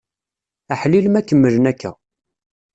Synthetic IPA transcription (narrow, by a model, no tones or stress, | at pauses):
æħliləmækːəmːələnækːæ̰